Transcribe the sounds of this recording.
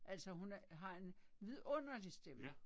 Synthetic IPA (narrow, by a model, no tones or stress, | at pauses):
ʔæl̰sɒɦunɦɑ̈e̝nʋið̰ˠɔ̽n̰ɐd̥isd̥em̰ɐ